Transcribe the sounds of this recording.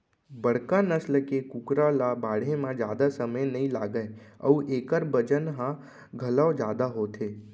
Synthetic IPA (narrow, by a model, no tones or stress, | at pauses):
bəɽ̤kanəsləkekukɾalabaːɽ̤emãd͡ʒjaːd̪asəməjnɐĩla̰ːɡəeə̰ueːkəɾbəd͡ʒənɦã | ɡʱəlaod͡ʒjaːd̪aɦoːt̪ʰeː